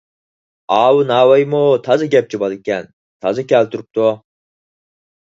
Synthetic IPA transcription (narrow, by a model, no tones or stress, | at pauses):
ɑːwɨnɑːwɑjmut̪ʰɑzɑɡʲɛp̚t͡ʃibɑlˠɪkʲɛn | t̪ʰɑzɑkʲʰɛlt̪ʰuɾup̚t̪u